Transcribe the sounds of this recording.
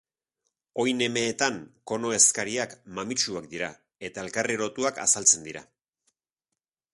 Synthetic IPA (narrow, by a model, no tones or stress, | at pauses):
o̞jne̞me̞ːt̪aŋko̞no̞e̞skaɾiakmamit͡ʃuakd̪iɾa | e̞t̪ae̞lkariɾo̞t̪uaka̰salt͡se̞nd̪iɾa̰